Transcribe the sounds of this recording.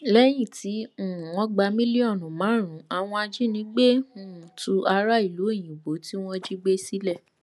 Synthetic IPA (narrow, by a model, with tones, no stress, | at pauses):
lɛ˦j̃ĩ˦˨tĩ˨˦˨ɔ̃˧˦ɡ͡ba˧mĩ˦li˦ɔ˦˨nũ˨mãː˨˦ɾ̃ũ˨˦a˧˨w̃ɔ̃˧a˧d͡ʒi˦nĩ˨˦ɡ͡be˦˨ũ˨tu˧ʔa˧ɾa˦i˦˨lu˨˦e˦˨j̃ĩ˨bo˨˦ti˦w̃ɔ̃˦d͡ʒi˦ɡ͡be˦si˦lɛ˦˨